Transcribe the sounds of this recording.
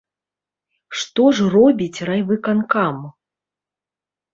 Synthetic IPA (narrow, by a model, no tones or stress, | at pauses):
ʂt̪ɔʐrɔbʲit͡sʲrajvɨkankam